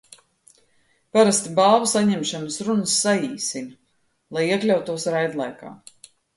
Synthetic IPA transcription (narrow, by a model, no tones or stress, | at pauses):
paɾast̪balˠvusaɲɛmʃanəsɾunəsːaiːsin | lˠajiɛklʲawt̪ːuɔsɾajd̪lˠajka̰ː